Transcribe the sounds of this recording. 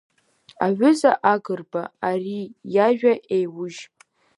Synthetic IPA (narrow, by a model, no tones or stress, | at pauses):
a̰ʕʷʊzaʔaɡɨrbaarijaʒᶣaʔejwʊʒʼ